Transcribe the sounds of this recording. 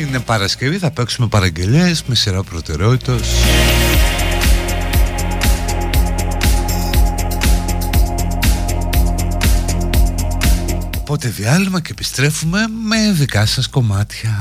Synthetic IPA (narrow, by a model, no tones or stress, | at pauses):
ine̞pɐɾɐsceviθɐpeksume̞pɐɾɐɲɟe̞ʎe̞zmesiɾɐpɾo̞t̪e̞ɾeo̞t̪it̪o̞s | opo̞t̪e̞ðiɐlimɐceːpi̥st̪ɾe̞fume̞me̞ðikɐsɐsko̞mɐt̪çɐ